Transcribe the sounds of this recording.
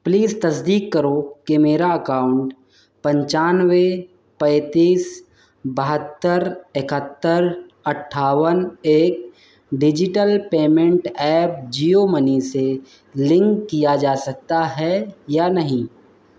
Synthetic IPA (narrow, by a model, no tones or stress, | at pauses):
pliːzt̪ɐsd̪iːkːəɾokemeːɾaɐkaːʊ̃ɳʈ | pɐ̃ɲt͡ʃaːnwe | pɛ̃ːt̪iːs | bəɦət̪ːəɾɪkət̪ːəɾ | ɐʈʰːaːwəneːk̚ | ɖɪd͡ʒɪʈəlpeːmẽɳʈɛːp̚d͡ʒiːomənise | lɪ̃ŋkːijad͡ʒaːsɐk̚t̪aɦɛjaːnɐɦĩː